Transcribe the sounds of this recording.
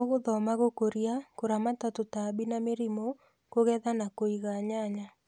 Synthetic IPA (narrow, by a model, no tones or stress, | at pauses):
oɣoðɔmaɣokoɾjakoɾamatatotabinameɾimo | koɣɛðanakoiɣaɲaɲa